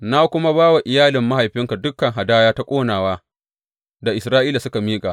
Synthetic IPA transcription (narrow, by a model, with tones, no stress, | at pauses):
na˦kʷʊ˦ma˦baː˦wa˨ʔɪ˨jaː˦lɪ˨mːa˦ha˨jɸɪ˦ŋka˨dʊ˦kːɐ˨ŋɦa˨daː˦jaː˦ta˦kʷʼoː˦naː˨waː˦ | da˨ʔɪ˨sɾaː˦ʔiː˦la˨sʊ˦ka˨miː˦kʼa˨ʔ